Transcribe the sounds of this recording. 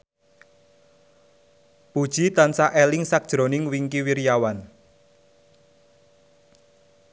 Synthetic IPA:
pud̥ʒ̥it̪ansaʔelɪŋsak̚d̥ʒ̥ɾonɪŋwiŋkiwirjawan

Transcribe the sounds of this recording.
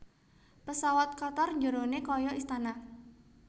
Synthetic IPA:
pəsawat̪̚kɔt̪ɔrɲd͡ʒəɾonekɔjɔʔist̪ana

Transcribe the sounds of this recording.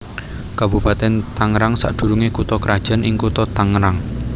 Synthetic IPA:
kabṳpat̪ɛnt̪aŋɾaŋsa̰ʔd̪̥ṳɾuŋekut̪ɔkɾad̥ʒ̥a̤nʔɪŋkut̪ɔt̪aŋɾaŋ

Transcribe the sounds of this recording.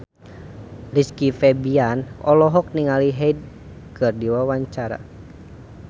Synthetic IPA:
riskifɛbianɔlɔɦɔk̚niŋaliɦɛid̚ | kɨrdiwawaɲt͡ʃaɾa̰

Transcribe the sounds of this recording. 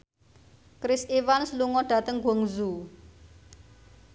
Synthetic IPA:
kɾɪsiwansluŋɔɖ̥ä̤t̪əŋɡɔŋzu

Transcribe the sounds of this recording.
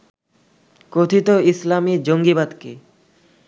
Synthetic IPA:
kot̪ʰit̪oislamid͡ʑoŋɡibad̪ke

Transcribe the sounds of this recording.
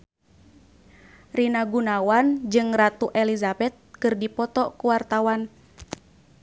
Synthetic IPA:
rinaɡunawand͡ʒɨŋrat̪uʔɛlizabɛt̪̚kɨrdipɔt̪ɔkuwart̪awan

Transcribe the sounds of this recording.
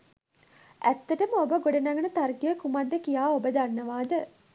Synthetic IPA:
æt̪ːɐʈəməobəɡoɖɐnaɡɐnət̪arɡijəkumad̪ːəkijaːobəd̪anːɐʋaːd̪ə

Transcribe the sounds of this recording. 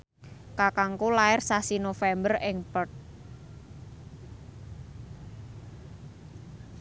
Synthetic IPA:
kakaŋkulaɪrsasinofɛmbərɪŋpərt̪̚

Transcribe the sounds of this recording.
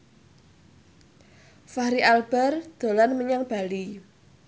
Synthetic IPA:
fahɾiʔalb̥ɛ̤rd̪̥o̤lanməɲaŋb̥a̤li

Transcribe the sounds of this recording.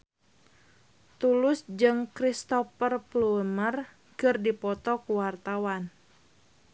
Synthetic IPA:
t̪ulʊsd͡ʒɨŋkɾist̪ɔfərplumər | kɨrdipɔt̪ɔkuwart̪awan

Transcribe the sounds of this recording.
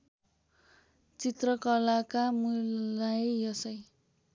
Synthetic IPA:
t͡sit̪rʌkʌlakamulajjʌsʌj

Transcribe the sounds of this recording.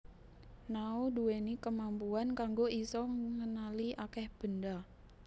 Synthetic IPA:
nauduwenikəmampuankaŋɡoisɔŋənaliʔakɛhb̥ənda

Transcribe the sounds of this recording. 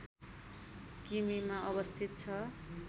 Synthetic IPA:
kimimaʔʌβʌst̪ʰit̪̚t͡sʰʌ

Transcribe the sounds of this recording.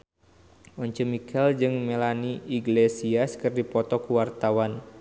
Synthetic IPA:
ʔɔɲt͡ʃəmikʰɛld͡ʒɨŋmɛlaniiɡlesiaskɨrdipɔt̪ɔkuwart̪awan

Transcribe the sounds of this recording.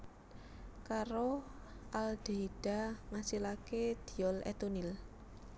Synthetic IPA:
kaɾo | ʔald̪̥eiɖ̥a̤ŋasilaked̪̥i̤ɔlɛ̰t̪unil

